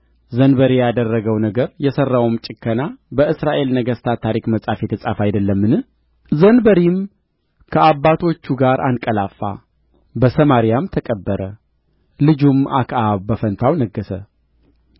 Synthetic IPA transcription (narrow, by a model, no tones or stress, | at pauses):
zənbəɾijad̪ərːəɡəwnəɡəɾjɛsərːawmt͡ʃʼɪkːənabəɨsɾaʔe̞lnəɡəst̪ʰat̪ʰaɾikməsʼafet̪ʰɨsʼafajd̪əlːəmːɨnɨ | zənbəɾim | kʰəabːat̪ʰo̞t͡ʃːuɡaɾʔankʼəlafːa̰ | bəsəmaɾijamt̪ʰəkʼəbːəɾə | lɨd͡ʒumʔa̰kʰʔaβbəfənt̪ʰawnəɡːəsə